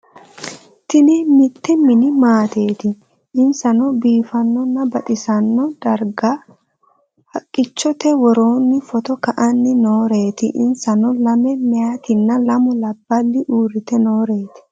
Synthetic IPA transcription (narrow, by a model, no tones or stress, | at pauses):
t̪ɪnɛmɪt̪ːɛmɪnɪmaːt̪e̞ːt̪ɪ | ɪnsɐnɔbiːfɐnːɔnːɐbɐt̪ʼɪsɐnːɔd̪̥ɐɾɡɐ | hɐkʼːɪt͡ʃːɔt̪ɛwɔɾoːnːɪfɔt̪ɔkɐʔɐnːɪnoːɾe̞ːt̪ɪ̰ʔɪ̰nsɐnɔlɐmɛmɛjat̪ɪnːɐlɐmʊlɐbːɐlːɪʔuːrɪt̪ɛno̞ːɾe̞ːt̪ɪ̥